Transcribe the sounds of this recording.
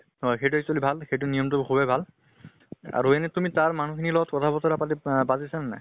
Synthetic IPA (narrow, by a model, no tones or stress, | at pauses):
hɔjxejt̬ʊɛk̚swalibʱalxejt̬ʊnijɔmtʊkʰubɛbʱal | a̰ɹuɛnɛtumitaɹman̤ukʰinilɔɡɔtkɔtʰabɔtɔɹapatibazisanana̰